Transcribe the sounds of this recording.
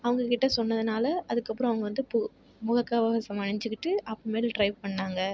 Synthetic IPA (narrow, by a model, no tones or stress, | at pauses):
ɐʋɐŋɡɐkɪʈːɐsɔnːɐðɯnaːlɐʔɐðɯkːɐpːɯɾɔ̃ɐʋɐŋɡɐʋɐnd̪ɯp | mʊɣɐkːaːʋɐʋɐsɐmɐɳɐɲd͡ʒɯkːɪʈːɯʔɐpːomeːlʈɾɐɪʋpɐɳːaːŋɡɐ